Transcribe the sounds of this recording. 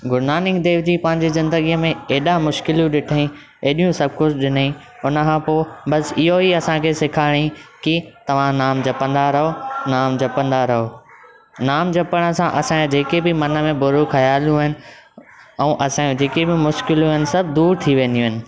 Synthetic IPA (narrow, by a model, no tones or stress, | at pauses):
ɡʊɾnaːnɪkd̪eːʋd͡ʑiːpɐ̃ɦɪ̃ɲd͡ʑezɪ̃nd̪əɡijəmẽeːɗãmʊʃkɪljũɗɪʈʰəɦĩ | eːɗijũsɐb̚ʱkʊt͡ɕʰɗɪnəĩ | ʊnəkʰãːpoːbɐsɪɦoiɐsãkʰeːsɪkʰaːɪɽ̃ĩkit̪ɐʋ̤ãnaːmd͡ʑɐpə̃nd̪aɾɐɦonaːmd͡ʑɐpə̃nd̪aɾɐɦoː | naːmd͡ʑɐpəɽ̃ə̆sãʔɐsãd͡ʑeːkebɪmɐnə̆mẽbʊɾukʰɐjaːljũɦɪnɪ̆ | ɛ̃ːʔɐsãũd͡ʑeːkebɪmʊʃkɪljũɦɪnɪ̆sɐbʱd̪uːɾt̪ʰiʋẽːnd̪iũɦɪnɪ̆